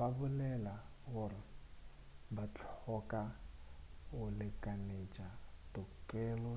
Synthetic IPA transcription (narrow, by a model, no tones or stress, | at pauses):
babʊlɛlaɣʊrɪ | bat͡ɬʰɔkʼa | ɣʊlɪkʼanet͡ʃʼatʊkʼɛlɔ